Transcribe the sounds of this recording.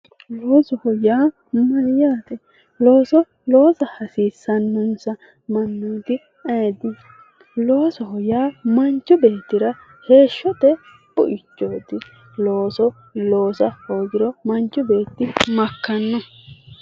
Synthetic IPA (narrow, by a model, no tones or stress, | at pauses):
loːsɔhɔjaː | mɐɾjaːt̪ɛ | lo̞ːsɔ | lo̞ːsɐhɐsiːsːɐnːʊnsɐ | mɐnːuːd̪ɪ | eːd̪ɪ | lo̞ːsɔhɔjaːmɐnt͡ʃːʊbe̞ːt̪ːɪɾɐ | he̞ːʃːɔt̪ɛ | pʊ̰ʔɪt͡ʃːoːd̪ɪ | lo̞ːsɔ | lo̞ːsɐhoːɡɪɾɔmɐnt͡ʃːʊbe̞ːt̪ːɪmɐkːɐnːɔ